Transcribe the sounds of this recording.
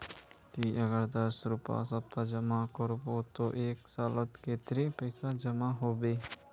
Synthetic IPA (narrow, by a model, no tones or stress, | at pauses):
t̪iʔəɡəɾd̪əsɾʊpa̰səp̚t̪ad͡ʒəmakəɾbot̪oʔeːksaːlət̪ket̪ɾepəɪsad͡ʒəmaɦoːbeː